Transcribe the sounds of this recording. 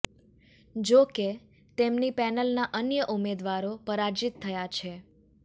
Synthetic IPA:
d͡ʒoke | t̪emnipɛnəlnaʔənjəʔumed̪ʋaɾopəɾaɾd͡ʒit̪ʰːəjat͡ʃʰe

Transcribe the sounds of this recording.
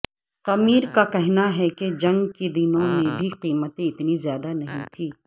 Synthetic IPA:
qɐmiːɾkakɛɦnaɦɛked͡ʒɐ̃ŋɡkid̪ɪnõmẽbʱiqiːmət̪ẽɪt̪nizjaːd̪anɐɦĩt̪ʰiː

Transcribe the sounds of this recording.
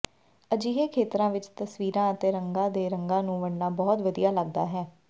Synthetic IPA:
əd͡ʒiːɦeːkʰeːt̪ɾãːʋɪt͡ʃt̪əsʋiːɾãːət̪eːɾəŋɡãːd̪eːɾəŋɡãːnũːʋəɽnaːbɔːt̪ʋəd̪ijaːləɡ̚d̪a̰ːɦɛː

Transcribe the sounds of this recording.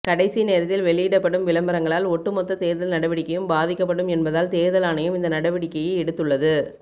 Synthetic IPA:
kɐɽɐɪsineːɾɐt̪ːɪlʋɛɭɪjɪɽɐpːɐɽɯmʋɪlɐmbɐɾɐŋɡɐɭaːlɔʈːɯmɔt̪ːɐt̪eːɾðɐlnɐɽɐʋɪɽɪkːɐjɯmbaːðɪkːɐpːɐɽɯmɛnbɐðaːlt̪eːɾðɐlaːnɐjɯmɪnd̪ɐnɐɽɐʋɪɽɪkːɐjɪɛɽɯt̪ːɯɭːɐðɯ

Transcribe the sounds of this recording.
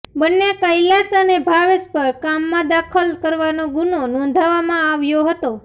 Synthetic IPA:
bənːekəjlasənebʱaʋespəɾkamːãd̪akʰəlkəɾʋanoɡunonɔ̃nd̪ʱaʋamãaʋjoɦət̪o

